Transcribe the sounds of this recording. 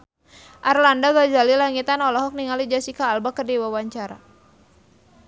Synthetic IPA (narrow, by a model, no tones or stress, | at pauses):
ʔarlandaɡad͡ʒalilaŋit̪anɔlɔɦɔk̚niŋalid͡ʒasikaːlbakərdiwawaɲt͡ʃaɾa